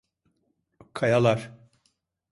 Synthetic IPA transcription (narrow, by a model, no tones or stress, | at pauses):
kʰajalˠaɾ̥